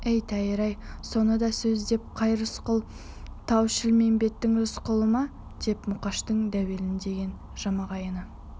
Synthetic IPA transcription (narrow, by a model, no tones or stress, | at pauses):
ejt̪ʰæjɾɑjso̞nəd̪ɑsɵzd̪e̞p̚qʰɑjɾʊsqəlˠ | t̪ʰɑwʃɪlme̞mbe̞t̪ːɪŋɾʊsqəlˠəmɑ | d̪̥e̞pmʊqɑʃt̪əɴd̪æwe̞lɪnd̪e̞ɡʲe̞n | ʒ̥ɑmɑʁɑjənə